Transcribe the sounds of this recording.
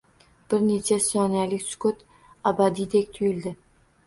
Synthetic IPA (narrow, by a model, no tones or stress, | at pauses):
b̥ɪɾne̞t͡ʃʰasɒnalɪkʲsʊ̥kʊt̪ | abad̪id̪ekʲt̪ʰʊjɪld̪ɪ